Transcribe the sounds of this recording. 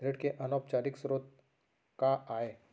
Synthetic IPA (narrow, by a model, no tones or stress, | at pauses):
ɾeɽkeʔənop̚t͡ɕaɾiksɾot̪̚ | kaaɦe